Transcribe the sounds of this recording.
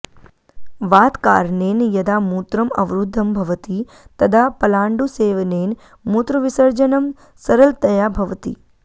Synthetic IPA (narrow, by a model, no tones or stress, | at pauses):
ʋaːt̪kaːɾneːnjɐd̪amuːt̪ɾɐmɐ̰ʋɾud̪ʱːɐmbʱɐʋt̪i | t̪ɐd̪ʱapɐlaːɳɖuseːʋneːn | mut̪ɾəʋisəɾd͡ʒənɐm | sɐɾəlt̪ɐjabʱɐʋt̪ḭ